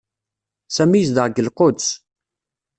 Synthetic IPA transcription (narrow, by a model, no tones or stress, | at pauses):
sæmijəsd̪əʁɡəlqod̪s